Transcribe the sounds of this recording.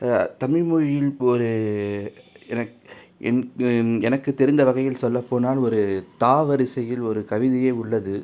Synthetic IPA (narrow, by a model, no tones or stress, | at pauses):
t̪ɐmɪmuɻjɪlɔɾɯ | ɛnɐkʔɛ̰nɛnɐkːɯt̪ːɛɾɪnd̪ɐʋɐɣɐjɪlsɔlːɐpːoːnaːlɔɾɯt̪aːʋɐɾɪsɐjɪlɔɾɯkɐʋɪðɪjeːʊɭːɐðɯ